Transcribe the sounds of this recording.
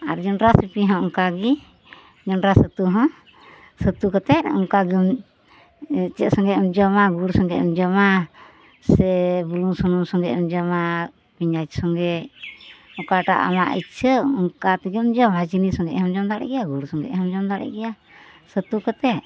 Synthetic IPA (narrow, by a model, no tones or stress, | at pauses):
aɾd͡ʒɔnɾasipiɦɔ̃ʔɔŋkaɡi | d͡ʒɔnɾasət̪uɦɔ̃ | sət̪ukɔt̪ɛt̪̚ɔ̰ŋkaɡim | t͡ʃɛt̪̚sɔŋɡɛɔmd͡ʒɔmaɡuɾsɔŋɡɛʔɛmd͡ʒɔma | sɛbuluŋsɔnuŋsɔŋɡɛʔmd͡ʒɔma | piɲat͡ʃ̚sɔŋɡɛ | ɔkaʈa̰ʔa̰ma̰ʔḭtt͡ʃʰəɔŋkat̪ɛɡɛmd͡ʒɔmat͡ʃinisɔŋɡɛ̰ʔɦɔmd͡ʒɔmd̪aɾɛ̰ɡɛjaɡuɾsɔŋɡɛ̰ʔɦɔmd͡ʒɔmd̪aɾɛ̰ɡɛja | sət̪ukɔt̪ɛt̪̚